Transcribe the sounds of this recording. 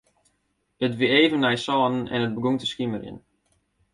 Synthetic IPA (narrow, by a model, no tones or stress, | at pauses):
ətʋieːvənːɛjsɔːnən̩ɛ̰nət̚bəɡuŋtəskiməɾjə̰n